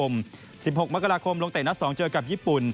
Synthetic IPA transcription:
o˧m | si˨˩p̚ho˨˩k̚ma˦˥kːa˧ɾaː˧kʰo˧mlo˧ŋt̪e˨˩na˦˥sɔː˩˦ŋt͡ɕɤː˧ka˨˩p̚jiː˥˩pu˨˩n

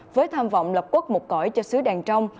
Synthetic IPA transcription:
vəː˨˦jt̪ʰaː˧mvɔ̰˧˨wŋ͡mlə˨˩p̚ku˦˥k̚mʊ˨˩t̚kɔ˧˩jt͡ɕɔ˧sɨ˨˦ɗaː˨˩ŋt͡ɕə˧wŋ͡m

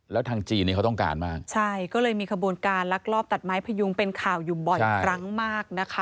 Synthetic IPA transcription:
lɛː˦˥wt̪ʰaː˧ŋt͡ɕiː˧niː˦˥˩ka˦wt̪ɔ˥˩ŋka̰ː˧nmaː˥˩k̚t͡ɕʰa˥˩jkɔː˥˩lɤː˧jmiː˧kʰa˧bu˧ənkaː˧nla˦˥k̚lɔː˥˩p̚t̪a˨˩t̪̚maː˦˥jpʰa˧ju˧ŋpe˧nkʰaː˨˩wjuː˨˩bɔ˨˩a˥˩kʰɾa˦˥ŋmaː˥˩k̚na˦˥kʰa˦˥

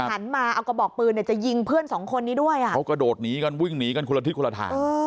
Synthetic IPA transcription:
t͡ɕʰa˦˥nmaː˧ʔa˧wka˧˩bɔː˨˩k̚pɯː˧ndi˧˩t͡ɕa˨˩ji˧ŋpʰɯ˥˩ənsɔː˩˦ŋkʰo˧nːiː˦˥du˥˩əjʔa˨˩a˦˥wkɾa˧doː˨˩t̪̚niː˦˥ka˧nwi˥˩ŋniː˦ka˧nkʰu˧la˧i˦˥t̚kʰu˧la˧t̪ʰa̰ː˧˦ɤː˧

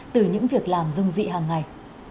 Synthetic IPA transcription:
t̪ɨ˨˩ɲɨ̰˧˥ŋvi˨˩ək̚laː˨˩mzʊ˧ŋ͡mzḭ˧˨ɦaː˨˩ŋːa˨˩j

